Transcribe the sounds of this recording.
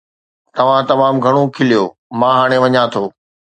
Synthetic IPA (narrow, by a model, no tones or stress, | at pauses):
t̪ɐʋ̤ãt̪ɐmaːmɡʱɐɽ̃okʰɪlijoː | mãːɦaːɽ̃eʋɐɲãt̪ʰoː